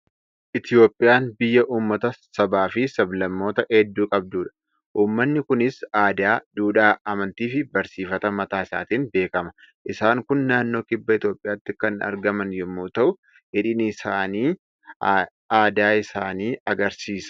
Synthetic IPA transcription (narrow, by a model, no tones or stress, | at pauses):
ʔɪt̪jo̞ːpʼːɪjaːnbɪjːɐʔuːmːɐt̪ɐsɐbaːfɪsɐblɐmːo̞ːt̪ɐʔɛd̪ːuːkʼɐb̚d̪uːᶑɐ̥ | ʔuːmːɐnːɪkʊnɪsaːd̪aːd̪̥uːᶑaːʔɐmɐnt̪iːfɪbɐɾsiːfɐt̪ɐmɐt̪aːɪsa̰ːt̪iːnbe̞ːkɐmɐ̥ | ʔɪsaːŋkʊnːaːnːo̞ːkʼɪbːɐɪt̪jo̞ːpʼːɪjaːt̪ːɪkɐnɐ̰ɾɡɐmɐnjɛmːuːt̪ɐʔʊ | ɪᶑɪnɪsaːniː | aːd̪aːɪsaːniːɐɡɐɾsiːsɐ̥